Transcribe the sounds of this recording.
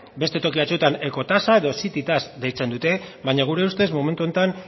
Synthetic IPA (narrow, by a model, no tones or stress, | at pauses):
be̞st̪e̞t̪o̞kiβat͡sut̪aneko̞t̪asae̞ðo̞sit̪it̪asd̪ejt͡se̞nd̪ut̪e̞βajɲaɣ̞uɾe̞ust̪e̞zmome̞nt̪uo̞nt̪an